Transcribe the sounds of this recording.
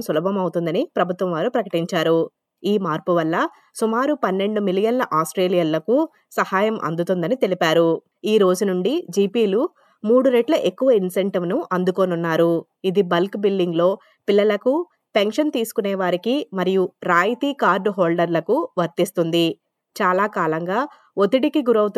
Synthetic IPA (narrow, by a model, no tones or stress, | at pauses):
msulɐbʱɐmɐwut̪und̪ɐnipɾɐbʱut̪ʋɐmʋaːɾupɾɐkɐʈiɲt͡ʃaːɾu | iːmaːɾpuʋɐlːɐ | sumaːɾupɐnːe̞ɳɖumilijɐnlɐʔaːsʈɾe̞ːlijɐlːɐku | sɐhaːjɐmʔɐ̰nd̪ut̪und̪ɐnit̪e̞lipaːɾu | iːɾo̞ːd͡ʒunuɳɖid͡ʒiːpiːlu | muːɽuɾeʈlɐʔe̞kːuʋɐinseɳʈiʋnuʔɐnd̪ukoːnunːaːɾu | id̪ibɐlkbilɖiŋɡlo̞ː | pilːɐlɐku | peŋkʂɐnt̪iːsu̥kunɛːʋaːɾikimɐɾijuɾaːjt̪iːkaːɾɖɦoːlɖɐɾlɐkuʋɐɾt̪ist̪und̪i | t͡ʃaːlaːkaːlɐŋɡaː | ot̪iɽikiɡuɾɐwut̪